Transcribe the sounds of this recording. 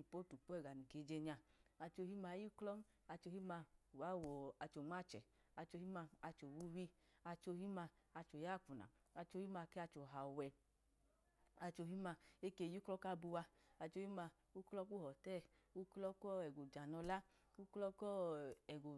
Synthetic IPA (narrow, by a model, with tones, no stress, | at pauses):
i˨po˨˦tu˨po˦ɛ˦˨ɡa˨ni˨ke˨˦d͡ʒe˧ɲa˧a˧t͡ʃo˧hi˦ma˧˨˦ji˦klɔ˦n˦ | a˧t͡ʃo˧hi˦ma˧u˨wa˦˨wɔ˨a˧t͡ʃo˨ŋ͡ma˦˨t͡ʃɛ̰˨ | a˧t͡ʃo˧hi˦ma˧a˧t͡ʃo˨wu˦wi˦a˧t͡ʃo˧hi˦ma˧a˧t͡ʃo˨ja˦˨k͡pu˨na̰˨ | a˧t͡ʃo˧hi˦ma˧kɛ˦a˧t͡ʃo˨ɦa˨wɛ˧ | a˧t͡ʃo˧ɦi˦ma˧e˦ke˧˨ju˦klɔ˦ka˦˧bu˧wa˧ | a˧t͡ʃo˧hi˦ma˧ | u˦klɔ˧˦ku˦hɔ˨tɛ˦˨ | u˦klɔ˦kɔ˦ɛ˨ɡo˨d͡ʒa˨nɔ˧la˦ | u˦klɔ˦kɔ˦ɛ˨ɡo˨